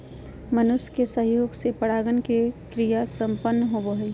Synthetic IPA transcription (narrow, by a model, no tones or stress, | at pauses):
mənʊʃkesəɦjoːɡsepəɽaːɡənkekɾijasə̃mpənːɦoboɦəj